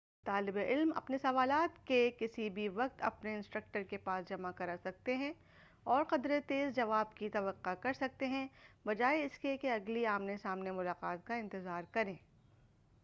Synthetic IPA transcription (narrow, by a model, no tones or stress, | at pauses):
t̪aːlɪbeʔɪlmɐ̰pnesɐʋaːlaːt̪kekɪsibʱiʋɐq̚t̪ɐ̰pneɪ̃nsʈɾɐk̚ʈəɾkepaːsd͡ʒɐmakɐɾasɐk̚t̪eɦɛ̃ | ɔːɾqɐd̪ɾet̪eːzd͡ʒɐʋaːbkit̪ɐʋəqːakɐɾsɐk̚t̪eɦɛ̃bɐd͡ʒaːeɪskiekeɐɡliaːmnesaːmnemʊlaːqaːt̪̚kaɪ̃nt̪ɪzaːɾkɐɾẽː